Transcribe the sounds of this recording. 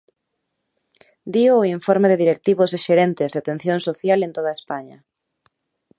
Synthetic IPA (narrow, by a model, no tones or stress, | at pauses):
d̪ioːiɱfoɾmeðɪðiɾek̚t̪iβozeʃeɾent̪ɪzðeat̪en̟θjõŋsoθjalent̪oð̞aespaɲɐ